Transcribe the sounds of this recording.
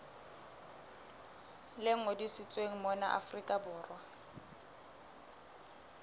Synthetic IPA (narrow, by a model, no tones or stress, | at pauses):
lɪŋ̩odisɪt͡sʼweŋ̩mɔnaʔa̰frikʼabʊːrwa